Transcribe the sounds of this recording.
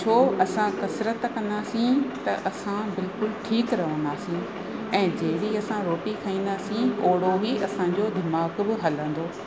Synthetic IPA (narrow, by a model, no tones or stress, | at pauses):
t͡ɕʰoːɐsãkɐsɾət̪kɐ̃nd̪aːsĩt̪ɐʔɐsãbɪlkʊlʈʰiːkɾɐɦə̃nd̪aːsĩ | ɛ̃ːd͡ʑɐɦɪɽiɐsãɾoːʈikʰɐĩːnd̪aːsĩoːɽoɦiʔɐsãd͡ʑod̪ɪmaːɡbɪɦɐlə̃n̆d̪oː